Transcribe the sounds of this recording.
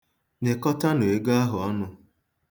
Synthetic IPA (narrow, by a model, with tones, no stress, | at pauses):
ɲe˨kɔ˦ta˦nʊ˨e˨ɡa˦ɦʊ˨ɔ˦nʊ˨